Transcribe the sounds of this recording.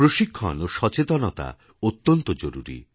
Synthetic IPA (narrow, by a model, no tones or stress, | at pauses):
ɾoʃikʰːɔnoʃɔt͡ʃet̪ɔnɔt̪a̰ | ot̪ːɔnt̪ɔd͡ʒoɾuɾḭ